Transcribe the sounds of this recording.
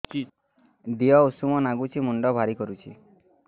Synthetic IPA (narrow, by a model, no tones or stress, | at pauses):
d̪iɔusumɔnaɡut͡ʃʰimuɳɖɔbʱaɾikɔɾut͡ʃʰi